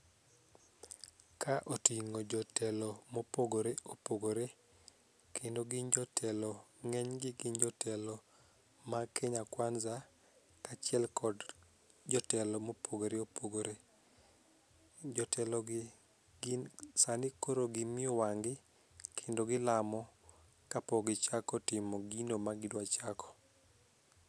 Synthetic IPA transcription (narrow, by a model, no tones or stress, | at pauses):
kʰaʔotiŋod͡ʒɔtɛlɔmopoɡoɾeʔopoɡoɾe | kendoɡɪɲd͡ʒɔtʰɛlɔŋɛɲɡɪɡɪɲd͡ʒɔtʰɛlɔ | makeɲakwanza | kat͡ʃɪɛlkʰɔd | d͡ʒɔtɛlɔmopoɡoɾeopoɡoɾe | d͡ʒɔtʰɛlɔɡ | ɡɪsanɪkoɾoɡɪmɪɔwaŋɡɪ | kʰendoɡɪlamɔ | kapoɡɪt͡ʃakɔtɪmɔɡinomaɡɪdwat͡ʃakʰɔ̥